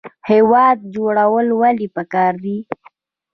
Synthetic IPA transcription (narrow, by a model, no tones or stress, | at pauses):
hewɑd̪̚d͡ʒoɽawəlwalipəkɑɾd̪i